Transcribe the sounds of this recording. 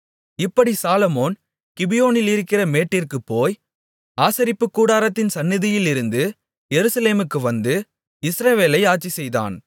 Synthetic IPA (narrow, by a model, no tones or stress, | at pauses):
ɪpːɐɽisaːlɐmoːn | kɪbɪjoːnɪlɪɾɯkːɪrɐmeːʈːɪrkɯpːoːj | aːsɐɾɪpːɯkːuːɽaːɾɐt̪ːɪnsɐnːɪðɪjɪlɪɾɯnd̪ɯ | jɛɾɯsɐleːmɯkːɯʋɐnd̪ɯ | ɪsɾɐʋeːlɐɪaːt͡ʃːisɛjða̰ːn